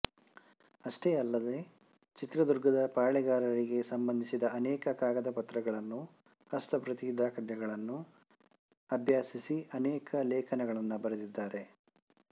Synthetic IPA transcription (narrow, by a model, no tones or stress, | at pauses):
ɐʂʈeːɐlːɐd̪e̞ | t͡ʃit̪ɾɐd̪uɾɡɐd̪ɐpaːɭɛɡaːɾɐɾiɡe̞sɐmbɐnd̪ʱisid̪ɐɐnɛːkɐkaːɡɐd̪ɐpɐt̪ɾɐɡɐɭɐnːu | ɐst̪ʰɐpɾɐt̪id̪aːkʰɐʈ̪jɐɡɐɭɐnːu | ɐbʱjaːsisiɐnɛːkʰɐlɛːkʰɐnɐɡɐɭɐnːubɐɾed̪id̪ːaːɾe̞